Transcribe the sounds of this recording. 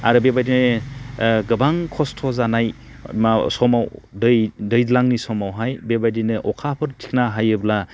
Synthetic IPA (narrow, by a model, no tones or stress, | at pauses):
aɾɯbebajdinɯ | ɡɯbaŋkʰɔstʰɔzanaj | asɔmawdɯjdɯjdlaŋnisɔmawɦajbebajdinɯʔɔkʰapʰɯɾtʰi̥kʰnaɦajɯbla